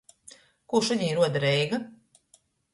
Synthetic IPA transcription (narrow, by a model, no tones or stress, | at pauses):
kuʃaɲiːɾuɔd̪aɾɛjɡa